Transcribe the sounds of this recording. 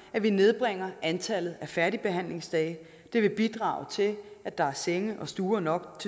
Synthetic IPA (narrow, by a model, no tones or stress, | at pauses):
æʋine̝ð̞ˠb̥ʁeŋ̰ɐænt͡sʰæl̰ð̩ˠæfæɐɾ̥ib̥e̝ɦæn̰le̝ŋsd̥ɛ̰ɪ | d̥e̝ʋe̝b̥id̥ʁɑ̰̈ːʊt͡sʰe̝læd̥ɑ̈æɐseŋəʔɒ̽sd̥uːɐnɒ̽ɡ̥t͡sʰe